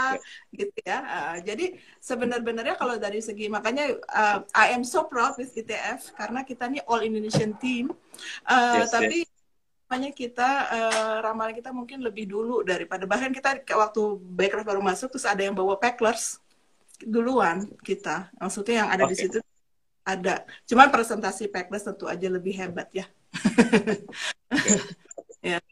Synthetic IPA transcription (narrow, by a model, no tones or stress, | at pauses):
aɡit̪̚ujaəʔəd͡ʒadi | səbənərbənərɲakalowt̪adisəɡimakaɲaəajɛmsopɾawt̪̚wɪθit̪eɛfkaɾənakit̪aniʔɔlindonesiənt̪imʔəːt̪api | maɲakit̪aəɾamalankit̪amuŋkɪnləbɪhduludaɾipadabaahkankit̪akawak̚t̪ubaɛkɾafbaɾumasʊk̚t̪ɾʊsadajaŋbawapɛklərs | duluankit̪amaksut̪ɲajaŋa̰dadisit̪u | adat͡ʃumanpɾesɛnt̪asipɛklərst̪ənt̪ua̰d͡ʒaləbɪhɦebat̪̚ja | ja